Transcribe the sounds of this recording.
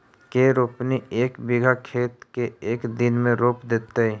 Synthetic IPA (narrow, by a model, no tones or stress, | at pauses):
keɾoːpnieːkbɪɡʱakʰeːt̪keeːkd̪ɪnmẽɾoːpd̪eːt̪eɦɛ